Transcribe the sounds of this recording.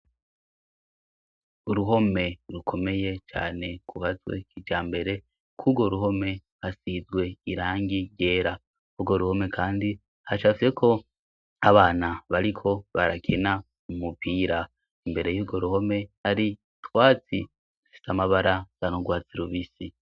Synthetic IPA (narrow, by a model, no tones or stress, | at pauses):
uɾuɦo̞me̞ɾukʰo̞me̞je̞t͡ʃa̰ːne̞kʰuhazwḛkid͡ʒaːmbe̞ɾe̞ | kʰuɡo̞ɾuɦo̞me̞ | hasizɡwe̞iɾaːŋɡije̞ːɾa | uɡo̞ɾuho̞me̞kʰaːndi | hat͡ʃafiekʰo̞ | aβaːnaβaɾikʰo̞βaɾakʰena | umupʰiːɾa | imbe̞ɾe̞juːbɡo̞ɾuho̞me̞haɾi | twaːt͡si | dufi̥samaβaɾaɡ̥anoɡwaːt͡siɾuβisi